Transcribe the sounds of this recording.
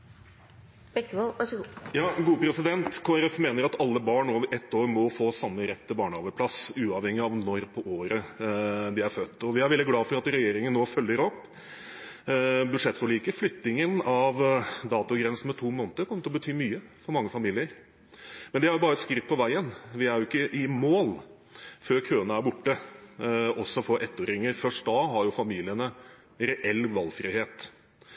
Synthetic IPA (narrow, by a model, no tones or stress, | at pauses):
b̥ɛkːojɑːɡuːəpʰɾɛsɪd̪ɛnt̪kʰoːɛɾɛfmeːnəɾɑt̪ɑlːəbɑːɳnoːʔɛt̪ːoːɾmɔfoːsɑmːəɾɛt̪ːəbɑːɳəɑːʋəpʰlɑsʉːɑʋhɛŋɪɑʋnɔɾpʰɔʔoːɾə | d̪ɪæɾfœt̪ːɔʋɪæɾʋɛld̪ɪɡlɑːfɔɾɑt̪ɾɛjeːɾɪŋənːoːfœlːəɾɔpː | bʉd̪ʂɛt̪ːfɔɭiːkəflʏt̪nɪŋənɑʋd̪ɑːt̪ʊɡɾɛnsn̩mɛt̪ʰuːmoːnt̪əɾkɔmːəʈ̪ʰɪɔbət̪ʰyːmyːəfɔɾmɑŋːəfɑmiːlɪəɾ | mɛnd̪ɪhɑɾjʊbɑːɾəɛt̪skɾɪt̪̚ːpʰɔʋæɪənʋɪæɾjʊɪkːəʔɪmoːl | føːɾkʰøːənəæɾbʊʈːə | ɔsɔfɔʔɛt̪ːoːɾɪŋːəɾfœʂʈ̚d̪ɑːɦɑɾjʊfɑmiːlɪənə | ɾɛʔɛlːʋɑlːfɾiheːt̪